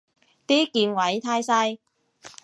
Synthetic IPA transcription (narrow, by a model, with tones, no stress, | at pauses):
t̪iː˥kiː˧nwɐ˨˦jt̪ʰaː˥jsɐ˥j